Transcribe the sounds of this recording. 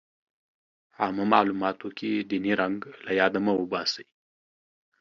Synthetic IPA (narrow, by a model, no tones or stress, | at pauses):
aməmɑlumɑt̪okʰed̪iniɾaŋɡlajɑd̪amawəbɑsəji